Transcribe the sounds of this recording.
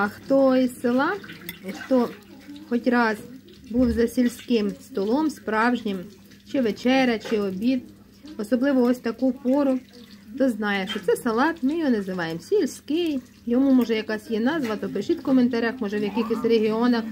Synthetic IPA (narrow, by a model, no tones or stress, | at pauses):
ɐxt̪ɔisʲsɪlˠɑixt̪ɔxɔtʲrɑz̥ | buwzɐsʲilʲsʲkɪmst̪ɔlˠɔmspɾɑwʒnʲɪm | t͡ʃɪʋet͡ʃɛɾʲɐt͡ʃɪɔbʲid̪ | ɔsɔblˠɪʋɔɔsʲt̪ɐkupɔɾʊt̪ɔznɑjɛʃt͡ʃɔt̪sɛsɐlˠɑt̪mɪjɔɦɔnɐzɪʋɑjemsʲilʲsʲkɪj | jɔmumɔʒɛjɐkɑsʲjɛnɑzʋɐt̪ɔpɾɪʃit̪kɔment̪ɐɾʲaxmɔʒɛwjɐkʲixɪsʲreɦɪɔnɐx